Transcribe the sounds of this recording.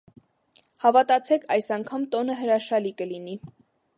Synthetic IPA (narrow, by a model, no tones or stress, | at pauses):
hɑvɑt̪ɑt͡sʰɛkʰɑjsɑŋkʰɑmt̪ɔnəɦəɾɑʃɑlikəlini